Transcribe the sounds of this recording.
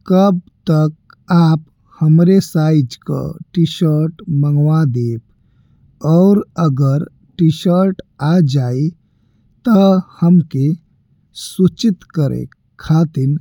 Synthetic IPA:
kəb̚t̪ək̚ | aːp | həmɾesaɪd͡ʒka̰ʈiʃəɾʈməŋɡʋad̪eːp | ɔːɾəɡəɾ | ʈiʃəɾʈad͡ʒai | t̪əhəmke | sut͡ʃit̪kəɾḛk | kʰːat̪iɾ

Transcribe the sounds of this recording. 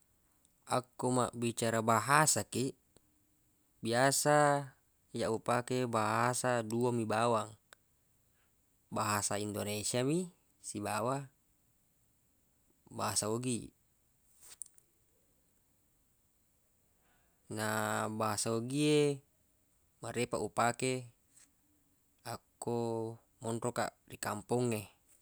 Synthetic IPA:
akːuma̰ʔbit͡ʃaɾabaɦasakiʔ | biasa | jaʔupakebaɦasaduamibawaŋ | baɦasaindonesiami | sibawa | baɦasaoɡi | nabaɦasaoɡie | maɾepaʔupake | akːo | mɔnroka̰rikampɔŋːe

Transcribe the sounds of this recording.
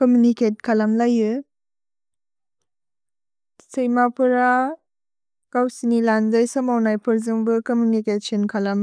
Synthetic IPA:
komjuniket̚kʰalamlajɯ | sejmapʰɯɾa | kawsinilandajsɯmawnajpʰɯɾzɯŋbɯkomjunikesʰiɔnkʰalam

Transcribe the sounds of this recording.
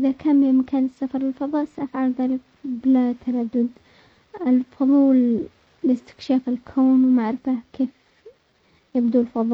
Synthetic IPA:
ʔɪðakʰaːnimakʰaːnɪsːafɑɾˤlɪlfɑðˤɑːʔsaʔafʕalðaːlɪk̚ | blat̪ʰaɾad̪ːʊd̪ | ɪlfʊðˤuːlː | ɪst̪ɪ̥kʃaːfɪlkʰoːnwmaʕɾɪfakeːf | jɪbd̪ulfɑðˤɑːʔ

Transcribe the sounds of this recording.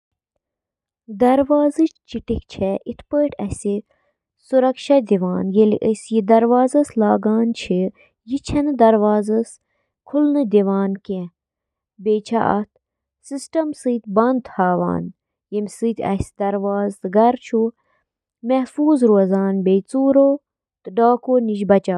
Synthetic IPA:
d̪ɐɾʋaːzɨt͡ʃt͡ʃiʈikt͡ʃʰɛʔit̪ʰpəːʈɐsʲi | suɾɐkʃɐd̪iʋaːnjelḭʔəsjid̪ɐɾʋaːzɐslaːɡaːnt͡ʃʰi | jit͡ʃʰɐnɨd̪ɐɾʋaːzɐs | kʰulnɨd̪ʲiʋaːnkɛ̃ | beːt͡ʃʰa̰ʔɐ̰t̪̚ʰ | sisʈɐmsɨːt̪ʲbɐnd̪haːʋa̰ːn | jemʲsɨt̪ʲʰɐ̰sʲd̪ɐɾʋaːzt̪ɨɡɐɾt͡ʃʰu | mɛhfuːzɾuɐzaːnbejt͡suːɾoː | t̪ɨɖaːkoːniʃbɐt͡ʃaː

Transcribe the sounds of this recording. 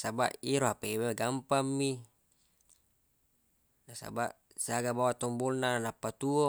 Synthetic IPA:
saba̰ʔiɾoɦapeweɡampamːi | nasa̰ba̰ʔ | saɡabawat̪ombolnaanapːat̪uo

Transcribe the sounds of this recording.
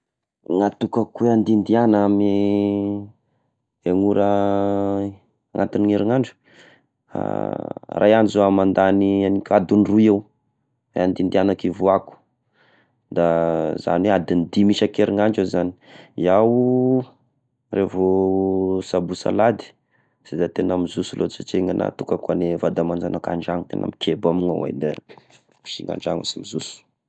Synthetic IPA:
ŋat̪ukakuweand̪ind̪ianami | eŋuɾə | aŋa̰t̪iniŋeɾiŋaɳɖ͡ʐu̥ | a̰rajanizoamand̪anianikʲad̪unruew | ḛand̪ind̪ianakivoaku̥ | d̪aza̰nwead̪ind̪imiʃakeɾiŋaɳd͡ʒezani̥iaw | revo | sabusa̰lad̪i̥ | z̥ed̪at̪enamizusulʔot͡sit͡ʃeŋana̰t̪ukakanevad̪amand͡ʒanaka̰ɳɖ͡ʐaŋut̪ḛna̰mikebamuŋa̰wḛd̪e | iʃiŋa̰ɳɖ͡ʐaŋṵsamizusu̥

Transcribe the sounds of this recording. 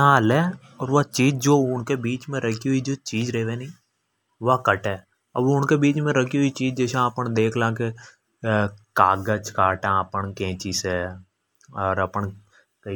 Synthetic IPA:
ãːlɛː | ɔːɾʋat͡ʃiːd͡ʒd͡ʒoːʊnkebiːt͡ʃmẽɾəkʰiɦʊid͡ʒoːt͡ʃiːd͡ʒɾəeʋeːnĩː | ʋakəʈɦɛː | ɐ̰bʋoʊnkebiːt͡ʃmẽɾəkiɦʊit͡ʃiːd͡ʒd͡ʒɛːsãpənd̪eːkʰlãːke | kaːɡət͡ʃkaːʈãəpəɳkẽːt͡ʃiːseː | ɔːɾəpəɳ | kː

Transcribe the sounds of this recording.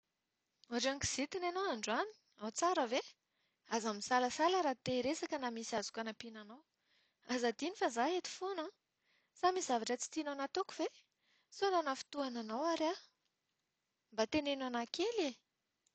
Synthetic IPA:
aʈ͡ʂaŋki̥z̥it̪inanaaɳɖ͡ʐani̥ | at͡saɾəve | azamisaləsaləɾat̪eɾesakənamisiazu̥kʲanapinanaw | azad̪inifazaɦet̪i̥fona | samiszavaʈ͡ʂət͡si̥t̪inanat̪okuve | solanafi̥t̪uananawaɾa | mbat̪enenanakele

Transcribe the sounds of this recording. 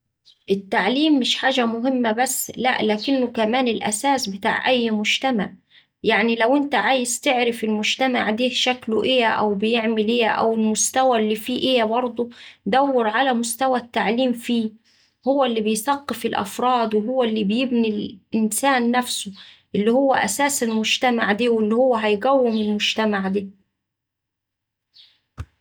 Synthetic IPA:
ʔɪt̪ːaʕliːmːɪʃħaːʒæmʊɦɪmːabæsːlæʔlaːkɪnːʊkæmæːnɪlʔæ̰saːsbɪt̪a̰ːʕʔæjːmʊd͡ʒt̪amaʕ | jaʕnilæwʔɪnt̪aʕaːjɪzt̪ɪʕɾɪfɪlmʊd͡ʒt̪ama̰ʕd̪eːhʃæklʊʔeːæʔæ̰wbɪjɪʕmɪleːʔæ̰wɪlmʊst̪æwælːiːfiːʔejæbɑɾˤd̪ˤod̪æwːɪɾʕalæmʊst̪æwæt̪ːaʕliːmfiː | hʊwːælːiːbɪjθɑqːefɪlʔæ̰fɾˤɑːd̪wɪɦowːælːiːbɪjɪbnilʔɪnsæːnːæfsʊ | ʔɪlːihʊwːæʔæ̰sæːselmʊd͡ʒt̪æmaʕd̪iːwɪlːihʊwːæɦæjɡæwːɪmɪlmʊd͡ʒt̪æmaʕd̪iː

